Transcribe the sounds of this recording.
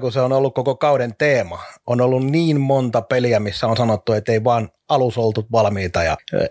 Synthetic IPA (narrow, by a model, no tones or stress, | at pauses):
kuseonolːukkokokɑuɾent̪eːmɑonolːunniːnmont̪ɑpeliæmisːæonsɑnot̪ːuet̪ːeiʋɑːn | ɑlusolt̪ut̪ʋɑlmiːt̪ɑjɑ̰